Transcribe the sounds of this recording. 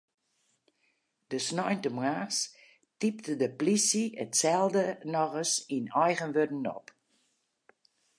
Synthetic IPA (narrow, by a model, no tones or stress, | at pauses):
d̥əsnɔjntəmwaːs | tip̚tədəplisiətsɛlˠdənɔɣəsinɔjɣənʋødn̩ɔ̰p